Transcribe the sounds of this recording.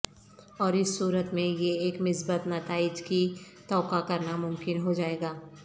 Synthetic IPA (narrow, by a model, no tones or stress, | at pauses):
ɔːɾɪsːuːɾət̪mẽjeeːkmɪsbət̪nat̪aːɪd͡ʒki | t̪ɔːkakɐɾnamʊmkɪnɦod͡ʒaːeːɡaː